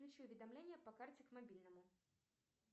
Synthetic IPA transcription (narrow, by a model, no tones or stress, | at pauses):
lʲut͡ɕiʊvʲɪd̪amlʲenʲɪjəpɐkart͡sʲɛkmabʲilʲnɐmʊ